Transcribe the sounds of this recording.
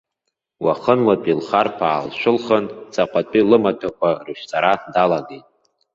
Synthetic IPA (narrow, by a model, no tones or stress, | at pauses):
waχənwapʼilχarpʰaːlʃʷᶣʊlχənt͡sʼaqʷʼat͡pʼilɨmatʰakʷʰarɨʃᶣt͡sʼaɾadalaɡejtʼ